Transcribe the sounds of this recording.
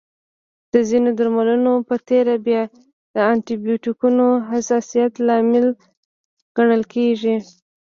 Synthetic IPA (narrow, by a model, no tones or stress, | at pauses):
d̪̥əzinod̪aɾmalunopət̪eɾabjɑ | d̪̥əɑɳʈibjuʈikunoɦasɑsijat̪lɑmɪl | ɡ̥aɳəlkeʒi